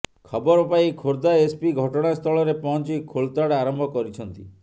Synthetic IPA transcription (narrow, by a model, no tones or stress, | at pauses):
kʰɔbɔɾɔpaikʰoɾd̪aespiɡʱɔʈɔɽ̃ast̪ʰɔɭɔɾepɔɦɔnt͡ʃikʰolt̪aɽaɾɔmbʱɔkɔɾit͡ʃʰɔnt̪i